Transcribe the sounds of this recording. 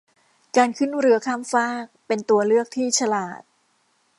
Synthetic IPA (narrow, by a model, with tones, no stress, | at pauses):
kaː˧nkʰɯ˥˩nɾɯ˩˦ɐkʰaː˥˩mfaː˥˩k̚pe˧nt̪u˧ɐlɯ˥˩ək̚t̪ʰiː˥˩t͡ɕʰa˧la̰ː˨˩t̪̚